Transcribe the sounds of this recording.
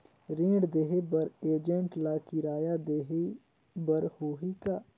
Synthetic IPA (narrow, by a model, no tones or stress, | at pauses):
ɾẽːɽd̪eːɦebəɾeːd͡ʒə̃ɳʈlaːkiɾaːjad̪eːɦe | bəɾhoːɦikaː